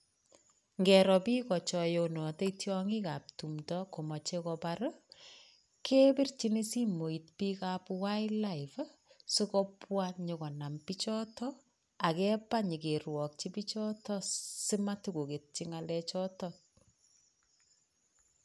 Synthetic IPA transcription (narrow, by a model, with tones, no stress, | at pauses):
ŋɡɛɾɔ˨piː˦kɔ˨t͡ʃɔ˨jonɔ˨te˦itjɔŋi˦ka˨p̚tu˨mtɔko˨mɔ˨t͡ʃekɔpaɾɔ | kʰe˦bi˦rt͡ʃi˦ni˦si˦mo˨i˨t̚pika˦pwa˦jla˦iv | su˦kɔpwa˦nɲo˨kɔ˨na˨mpi˦t͡ʃɔ˦tɔ˦ | a˨kɛ˦pa˦ɲi˨ke˨rwɔ˨k̚t͡ʃi˦pi˦t͡ʃɔ˦tɔ˦si˦ma˦tu˦ɡo˨ke˨t̚t͡ʃi˦ŋa˨lɛt͡ʃɔtɔt̚